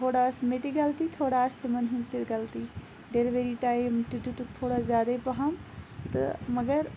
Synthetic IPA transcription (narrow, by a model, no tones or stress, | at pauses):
t̪ʰoːɽaːsmet̪iɡɐlt̪it̪ʰoːɽast̪əmɐnɦɪnst̪ʰɪt̪ɡɐlt̪iː | ɖeɾʋeɾiʈaːɪmt̪ɪd̪ut̪ukt̪ʰoːɽazjaːd̪aipɐɦamt̪ɐ̰mɐɡəɾ